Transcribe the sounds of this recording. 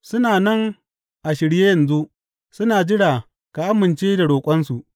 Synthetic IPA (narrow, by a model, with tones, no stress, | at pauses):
sʊ˦naː˨nɐ˦ŋ | ʔa˨ʃɪ˨ɽjeː˦jɐ˨nzu˦ʔ | sʊ˦naː˨d͡ʒɪ˦ɽaː˨ | ka˨ʔa˦mɪ˨nt͡ʃeː˦da˨ɽoː˨kʷʼɐ˦nsu˨ʔ